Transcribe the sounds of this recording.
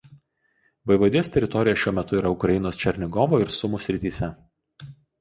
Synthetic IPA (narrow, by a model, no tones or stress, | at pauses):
ʋɐɪʋɐd̪ʲɪjoːst̪ʲɛɾʲɪt̪ɔɾʲɪjɛʃʲuɔmʲɛt̪ʊiːɾɐʊkɾɐjɪnoːst͡ʃʲɛɾʲnʲɪɡɔʋoːɪɾsʊmuːsʲɾʲɪt̪ʲiːsʲɛ